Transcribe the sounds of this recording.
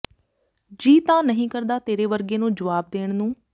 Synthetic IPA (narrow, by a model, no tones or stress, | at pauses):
d͡ʒiːt̪ãːnəɦĩːkəɾd̪aːt̪eːɾeːʋəɾɡeːnũːd͡ʒəʋaːb̚d̪eːɳ̃nũː